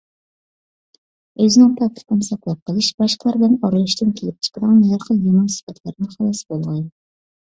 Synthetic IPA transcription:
øzɪnɪŋpʰɑt̪ʰɪ̥t̪ɪnsɑkʲlˠæp̚qʰəlˠɨʃb̥ɑʃqʰəlˠɑɾblɪnɑɾɨlˠɨʃt̪ɪnkʲʰelɪp̚t͡ʃʰə̥qəd̪ɨŋmjɑɾqʰəjemɑnsɨ̥fɛt̪ʰlæɾnɪχɑlˠɑsbolˠʁɑn

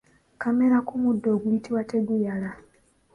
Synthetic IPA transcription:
kame̞ɾakumudːo̞ːɡujitiwate̞ɡujala

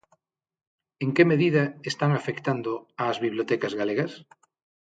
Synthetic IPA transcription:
eŋkemeðiðaest̪aŋafekt̪and̪oaːzβiβlot̪ɛkazɣaleɣɐs

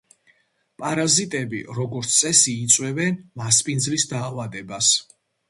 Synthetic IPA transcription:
pʼaɾazit̪ʼɛbḭɾɔɡɔɾt̪sʰt̪sʼɛsiːt̪sʼwɛvɛnmaspʼind̪zlisd̪aːvad̪ɛbas

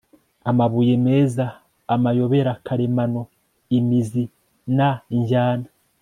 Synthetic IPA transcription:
amaβuːjeme̞ːzaː | majo̞βe̞ɾakʰaɾe̞mano̞ | imizi | naiɲɟaːna

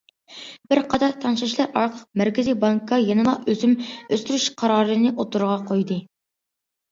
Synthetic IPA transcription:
b̥ɪɾqʰɑt̪ɑɾt̪ʰɑnʃɑʃlˠɑɾɑɾqʰəlˠəq̚mæɾkʲɪzijbɑŋkʰːɑjenɨlˠɑøzymøst̪yɾyʃqʰɑɾɑːɾɨnɨʔot̪ʰuɾəʁɑqʰojd̪ɨ

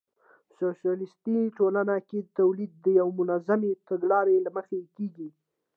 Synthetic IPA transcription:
soʃjɑlɪst̪iʈolanaket̪awlid̪̚ːəjawmʊnazamet̪aɡlɑɾelaməxekeɡi

